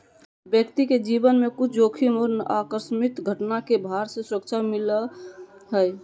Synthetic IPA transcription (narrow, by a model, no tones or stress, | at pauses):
bjəkt̪iked͡ʒibənmekut͡ʃʰd͡ʒokʰimɔɾnəakəɾsmit̪ɡʱəʈnakebʱaɾsẽsɾəkt͡ʃʰamiləɦəj